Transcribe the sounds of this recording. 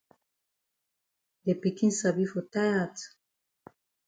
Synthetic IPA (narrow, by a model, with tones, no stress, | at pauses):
de˨pi˨ki˦nsa˨bi˦fo˨ta˦ja˨t